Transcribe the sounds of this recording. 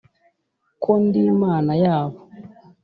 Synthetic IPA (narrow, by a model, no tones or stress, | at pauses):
kʰondimaːnajaːβo